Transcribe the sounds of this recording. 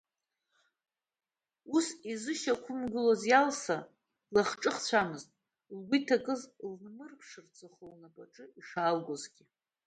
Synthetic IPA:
usizɨʃakʷʰʊmɡʷʊlozjalsa | laχʈ͡ʂʼɨχt͡ɕʷʰamɨztʼ | lɡʷitʰakʼɨzlnnɨrpʰʂɨrt͡sʼɨχolnapʼaʈ͡ʂʼɨiʂalɡʷozɡʲɪ

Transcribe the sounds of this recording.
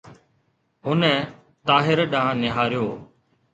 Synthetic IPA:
ɦʊnɛ | t̪aːɦɪɾɗãːnɪɦaːɾjoː

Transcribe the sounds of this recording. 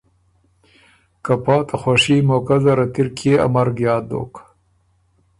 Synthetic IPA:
kapɑːt̪aχwaʂiːmoːkazaɾat̪iɾkʰea̰maɾɡjɑːd̪o̰ːk

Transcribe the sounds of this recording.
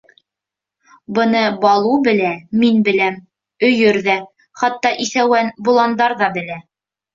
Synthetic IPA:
bɤ̆nɤbɑlˠubɘ̆læminbɘ̆læm | ɵ̆jɵɾðæ | χɑt̪ːɑʔiθæwænbulˠɑnd̪ɑɾðɑbɘ̆læ

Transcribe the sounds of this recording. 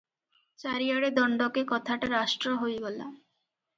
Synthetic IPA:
t͡ɕaɾiaɽed̪ɔɳɖokekɔt̪ʰaʈaɾaʃʈɾoɦojɡɔla̰

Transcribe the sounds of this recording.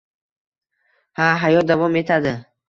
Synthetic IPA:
haɦajɔd̪avɔmːet̪ʰad̪ə

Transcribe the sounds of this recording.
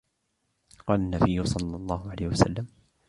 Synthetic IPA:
qɑːlanːabɪjːʊsˤɑlːɑlˤːɑːhʊʕalajhɪwasa̰lːam

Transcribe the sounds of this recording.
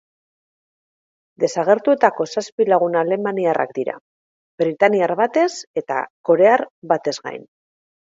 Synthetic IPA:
d̪e̞saɣ̞e̞ɾt̪ue̞t̪ako̞saspilaɣ̞unaːle̞maniara̰k̚d̪iɾa̰ | bɾit̪aniaɾβat̪e̞se̞t̪a̰ko̞ɾe̞aɾβat̪e̞zɣa̰jn

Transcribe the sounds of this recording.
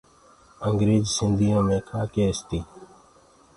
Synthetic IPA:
əŋɡɾeːzsɪnd̪ʱijãːmẽːkʰaːkeːst̪iː

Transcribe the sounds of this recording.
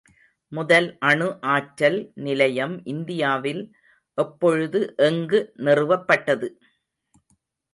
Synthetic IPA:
mʊðɐlʔɐɳɯʔaːʈɾɐlnɪlɐjɐmʔɪnd̪ɪjaːʋɪl | ʔɛpːɔɻɯðɯʔɛŋɡɯnɛrɯʋɐpːɐʈːɐðɯ

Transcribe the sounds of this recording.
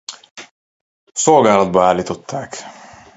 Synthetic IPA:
sɔːɡaɾad̪̚baːlit̪ɔt̪ʰːaːk

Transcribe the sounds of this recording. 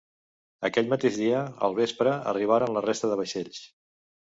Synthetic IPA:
əkɛʎmət̪eʒðiəə̰lˠβ̞espɾəə̰riβ̞aɾənlərest̪əðəβəʃeʎs

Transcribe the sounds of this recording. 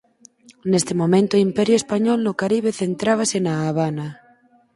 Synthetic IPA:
nest̪emomẽnt̪oimpɛɾjʊespaɲɔlnʊkaɾiβ̞eθent̪ɾaβ̞asenaːβ̞ana

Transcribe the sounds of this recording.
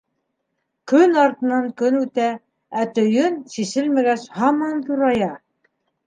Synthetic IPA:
kɵnɑɾt̪ɤ̆nɑŋkɵnʉt̪æ | æt̪ɵ̆jɵnsisɘlmæɡæɕhɑmɑnt̪uɾɑjɑ

